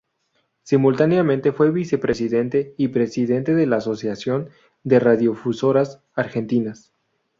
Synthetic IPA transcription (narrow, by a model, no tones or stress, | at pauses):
simult̪aneamẽnt̪e̞fwe̞βise̞pɾe̞siðe̞nt̪eipɾe̞siðe̞nt̪e̞ðe̞laːso̞sjasjo̞n | d̪e̞raðjo̞fuso̞ɾas | aɾxe̞nt̪inas